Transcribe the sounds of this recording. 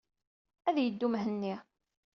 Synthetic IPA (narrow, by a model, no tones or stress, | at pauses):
æðjəd̪ːumɦənːi